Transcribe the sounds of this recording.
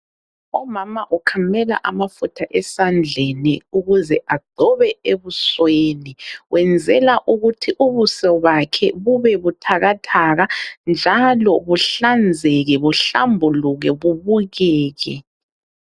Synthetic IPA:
ɔmamaʔukʰamɛla̰ʔamafutʰaʔɛsand͡ɮʱeniuɣuzɛʔaɡ͡ǀʱɔβɛeβusweːniwʔɛnd͡zʱɛlaʔuɣutʰiʔuβusɔβakʰɛβuβɛβutʰaɣatʰaɣand͡ʒʱalɔβuɬand͡zʱɛɣɛβuɬambʱuluɣɛβuβuɣɛːɣɛ

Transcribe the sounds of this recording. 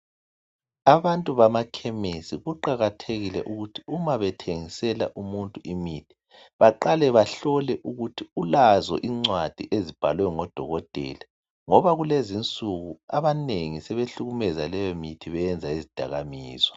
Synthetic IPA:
aβantʼuβamakʰɛmesiɣuǃaɣatʰeɣilɛ̰ʔuɣutʰiumaβɛtʰeŋisɛlaʔumuntʼuʔimitʰi̥ | βaǃalɛβaɬɔlɛʔuɣutʰiulazɔ̰ʔiŋ͡ǀwad̥ʱiʔezib̥ʱa̰lwɛŋɔd̥ʱɔɣɔtʼɛ̰la | ŋɔβaɣulezint͡sʼuɣuaβaneŋisɛβeɬuɣumɛzalɛjɔmitʰiβɛɛnd͡zʱaizid̥ʱa̰ɣamiːzwɔ

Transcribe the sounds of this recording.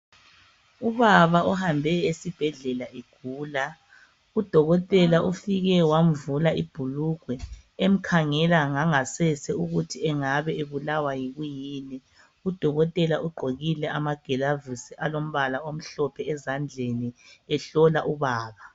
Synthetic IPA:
uβaβaɔhambʱɛesib̥ʱɛɮɛlaʔeɡ̥ʱuːla | ud̥ʱɔɣɔtʼɛlaʔufiɣɛwam̩vulaʔib̥ʱuluɡ̥ʱwɛem̩kʰaŋɛlaŋaŋasɛsɛuɣutʰiɛŋaβɛeβulawajiɣujiːnɛ | ud̥ʱɔɣɔtʼɛlaʔuɡ͡ǃʱoɣilɛʔamaɡ̥ʱɛlavusiʔalom̩βalaom̩ɬɔpʰɛɛzand͡ɮʱeniɛɬɔlaʔuβaːβa

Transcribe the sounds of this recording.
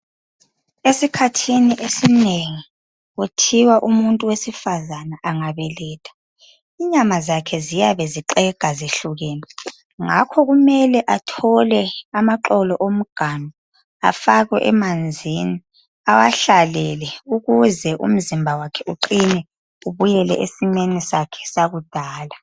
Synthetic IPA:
esikʰatʰiniʔesineŋi | utʰiwaʔumuntʼuwesifazanaʔaŋaβɛlɛːtʰḁ | iɲamazakʰɛzijaβɛziǃɛɡ̥ʱazeɬuɣɛːnɛ | ŋakʰɔɣumɛlɛʔatʰɔlɛamaǃɔlɔʔom̩ɡ̥ʱanɔ | a̰faɣwɛ̰ʔɛ̰mand͡zʱini | awaɬalɛlɛuɣuzɛʔṵm̩zimbʱawakʰɛʔuǃinɛ | uβujɛlɛ̰ʔesinenisakʰɛ̥saɣud̥ʱaːla

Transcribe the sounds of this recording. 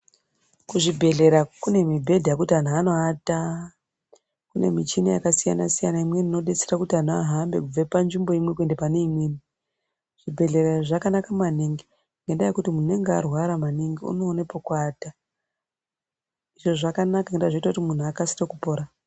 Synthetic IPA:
kuʐibʱe̞ɮe̞ɾakune̞mibʱe̞dʱajakutian̤uano̞ata | kune̞̰mit͡ʃinijakasija̰na̰sijanaimwe̞nino̞ɗe̞t͡serakutian̤oa̰ɦambe̞̰kub͡vepanʐimbo̞imwe̞kue̞ndepaneimweːni | ʐ̥ibʱe̞ɮe̞ɾaʐakanakaumaniŋɡi | ŋɡe̞ndajekutimunue̞ŋɡea̰rwaɾamaniŋɡiṵno̞ːne̞po̞kwaːta | iʐo̞ʐakanakaŋɡendaʐoitakutimun̤uakasi̥rokupo̞ːɾa

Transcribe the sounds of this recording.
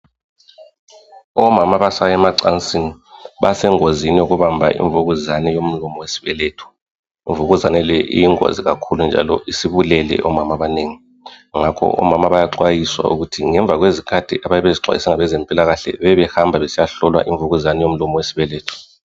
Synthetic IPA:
ɔmamaβasajɛmaǀant͡sʼiniβasɛŋozinijoɣuβambʱa̰ʔḭɱvuɣuzanɛjom̩lɔmɔwesi̥βɛlɛːtʰɔ̥ | iɱvuɣuzanɛlɛʔḭjiŋo̰ziɣakʰulund͡ʒʱa̰lɔʔisiβulɛlɛ̰ʔɔmamaβaneːŋi | ŋakʰɔ̰ʔɔ̰mamaβajaǀwajiswa̰ṵɣutʰiŋɛɱb̪vʱaɣwezikʰad̥ʱḭʔaβajɛβeziǀʱwa̰jisɛŋaβɛzɛmpʼilaɣaɬɛ̰βɛβɛhambʱaβesijaɬɔlwa̰ʔiɱvuɣuzanɛjom̩lɔmɔwesi̥βɛlɛːtʰɔ̥

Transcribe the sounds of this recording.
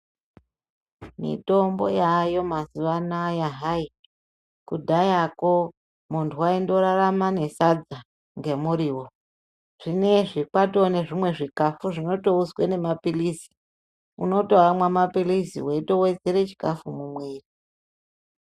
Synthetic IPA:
mḭto̞mbo̞̰jajo̞mazuʋanajaɦai | kudʱajako̞ | muntʰuwaindo̞ɾaramane̞sad͡za | ŋɡe̞muɾiːwo | ʐ̥ine̞ʐikato̞ne̞ʐimwe̞ʐikafuʐino̞to̞uswene̞mapilisi̥ | uno̞toamwamapilisḭweito̞we̞d͡zeɾet͡ʃi̥kafumumweːri

